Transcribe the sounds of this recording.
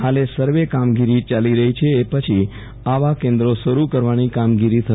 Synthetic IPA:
ɦalesəɾʋekamɡiɾit͡ʃaliɾəɦit͡ʃʰeːpət͡ʃʰi | aʋakẽnd̪ɾoʃəɾukəɾʋanikamɡiɾit̪ʰə

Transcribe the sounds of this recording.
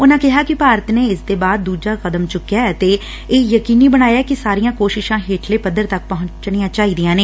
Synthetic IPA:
ʊnãːkɪɦaːkɪpaːɾət̪neːɪsd̪eːbaːd̪̚ːuːd͡ʒaːxəd̪əmt͡ʃʊkːijaːɛt̪eː | eːjəkiːniːbəñaːjaːɛkɪsaːɾijãːkoːʃɪʃãːɦeːʈʰleːpəd̪ːəɾt̪ək̚pəɦʊ̃t͡ʃnijãːt͡ʃaːiːd̪ijãːneː

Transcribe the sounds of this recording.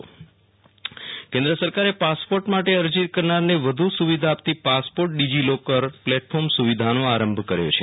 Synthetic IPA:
kẽnd̪ɾəsəɾkaɾepaspoɾʈmaʈeəɾd͡ʒiɾkəɾnaɾneʋəd̪ʱusuʋid̪ʱaːpt̪ipaspoɾʈ̚ɖid͡ʒilokəɾplɛʈfʰoɾmsuʋid̪ʱanoaɾəmbʱkəɾjo̰t͡ʃʰe

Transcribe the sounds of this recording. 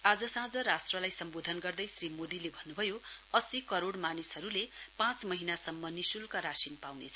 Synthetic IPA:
ad͡zʌsãd͡zʌɾasʈrʌlajsʌmbod̪ʱʌnɡʌrd̪ʌjsrimod̪ilebʱʌnːubʱʌjoʌsikʌɾoɽmanisʌɾulepãt͡smʌɦinasʌmːʌnisulkaɾasinpawnḛt͡sʰʌ

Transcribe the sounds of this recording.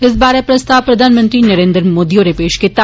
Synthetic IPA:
ɪs̬baːɾepɾɐst̪aːʋpɾɐd̪ʱaːnmə̃nt̪ɾinɐɾẽːnd̪ɾmoːd̪iõnepeːʃkit̪a

